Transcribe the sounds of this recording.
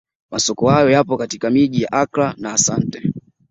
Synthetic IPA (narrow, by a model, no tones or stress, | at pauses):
masɔkɔhajɔjapɔkatikamiʄijaʔakɾanaːsantɛ